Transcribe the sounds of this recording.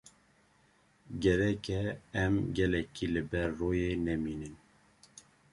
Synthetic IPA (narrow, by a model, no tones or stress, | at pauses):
ɡɛɾɛkɛɛmɡɛlɛkʰilɨbɛɾːoːjeːnɛmiːnɨn